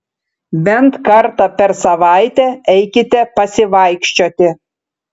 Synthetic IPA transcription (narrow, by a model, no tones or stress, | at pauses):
bʲɛnt̪kɐɾt̪ɑpʲɛɾsɐʋɑˑɪt̪ʲɛɛɪkʲɪt̪ʲɛpɐsʲɪʋɑɪkʃʲt͡ʃʲoːt̪ʲɪ